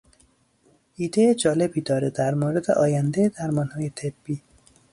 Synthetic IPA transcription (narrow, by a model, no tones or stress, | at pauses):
id̪eed͡ʒɒːlebid̪ɒɾed̪æɾmoɾɪd̪eʔɒːjand̪ed̪aɾmɔnhɔːjet̪ʰebːi